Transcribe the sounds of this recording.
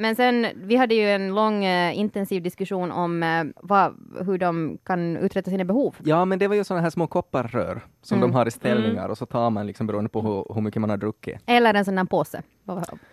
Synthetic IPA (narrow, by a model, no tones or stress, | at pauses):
mɛnsɛnvɪɦad̪ːəjɵɛnlɔŋːɪnt̪ɛnsiːvd̪ɪskʉʂuːnʔɔmvɑɦɵɖɔmkʰanʉ̰ːt̪ɾɛt̪ːasiːnabɛhuːvjɑːmɛnd̪ɛvaɾjɵsɔnːaɦæːʂmoːkʰɔpːaɾːø̰ːɾ | sɔmd̪ɔmɦaɾɪst̪ɛlnɪŋa̰ɾɔsɔt̪ʰɑːɾmanlɪksɔmbɛɾuːənd̪əpʰɔɦhɵɾmʏkːəmanhaɖɾɵkːɪ̰ɛlːəɾɛnsɔnːæːnpʰoːsə̰